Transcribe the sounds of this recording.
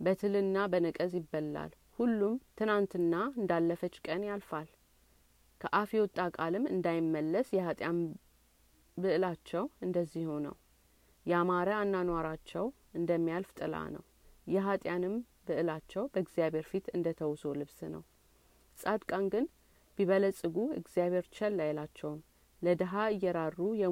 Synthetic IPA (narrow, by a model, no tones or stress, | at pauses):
bət̪ʰɨlɨnːabənɨkʼəzjɪbːəlːa̰l | hulːumt̪ʰɨnant̪ɨnːaɨnd̪alːəfət͡ʃːkʼənjalfal | kʰəʔafiwɔt̪ʼːakʼalɨmɨ̰nd̪ajɪmːəlːəsjɛhat̪ʼjan | bɨʔɨlat͡ʃːɛwɨnd̪əzːihunə̰w | jɛamaɾəanːanwaɾat͡ʃːɛw | ɨnd̪əmːijalft̪ʼɨla̰nə̰w | jɛɦat̪ʼjanɨm | bɨʔɨlat͡ʃːɛwbəɡzijaβʱhe̞ɾfit̪ɨnd̪ət̪ʰəwso̞lɨβsnə̰w | sʼad̪kʼanɡɨn | b̥iβələsʼɨɡuɨ̰ɡzijaβhe̞ɾt͡ʃʰɛlːajlat͡ʃːɛwm | ləd̪əɦaɨjːɛɾarːujɛ